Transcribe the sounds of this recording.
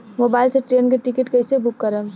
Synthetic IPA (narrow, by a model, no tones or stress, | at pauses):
moːbaːɪlseʈɾeːnkeʈɪkɪʈkɛɪsebʊkːəɾə